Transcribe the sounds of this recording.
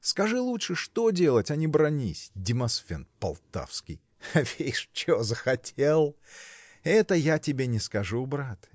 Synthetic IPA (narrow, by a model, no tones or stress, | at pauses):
skɐʐɨlˠutʂɨʂt̪odʲe̞lˠətʲɐnʲɪbɾɐnʲisʲdʲɪmɐsfʲḛnt̪pɐ̰lˠt̪a̰fskʲɪ̰j | avʲejʂt͡ɕɪvozəxɐtʲelˠ | ɛt̪əjatʲɪbʲenʲɪskɐʐubɾat̪